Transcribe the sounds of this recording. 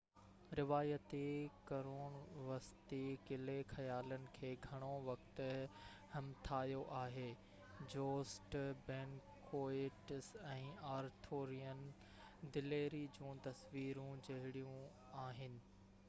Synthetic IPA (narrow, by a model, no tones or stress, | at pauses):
ɾɪʋaːjət̪ekɐɾoːɽ̃ʋɐst̪ekɪlexʰɐjaːlənɪ̆kʰeːɡʱɐɽ̃oʋɐkt̪ʊ̆ | hɐmt̪ʰaːjoʔaːɦeː | d͡ʑoːsʈbɛ̃ːnkʰoːeʈsɛ̃ːaːɾt̪ʰoːɾijən | d̪ɪleːɾid͡ʑũːt̪ɐsʋiːɾũd͡ʑɐɦɪɽijũ | aːɦɪnɪ̆